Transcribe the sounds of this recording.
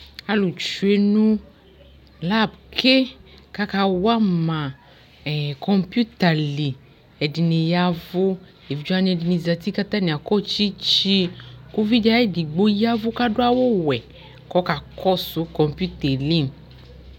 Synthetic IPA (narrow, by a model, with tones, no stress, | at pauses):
a˧lu˨t͡ʃu˨e˨˧nũ˦ | la˦˨bkʰe˦ka˦ka˧wa˦mã˨ | kɔ˧mpju˦ta˨li˨ | ɛ˨di˧ne˧ja˦vo˦ | e˨vi˨˦d͡ʒu˦a˦ni˧ɛ˧di˧ni˧za˧ti˦ka˦t̪a˦nĩ˨a˨kɔ˦t͡ʃi˦t͡ʃi˧ku˦vi˦d͡ʒa˧˦˨di˨ɡ͡bo˦ja˦vu˦ka˦do˦a˦wo˦wɛ˨ | kɔ˨˦ka˨kʰɔ˦˨su˨˦kɔ̃˧mpju˦tɛ˨li˦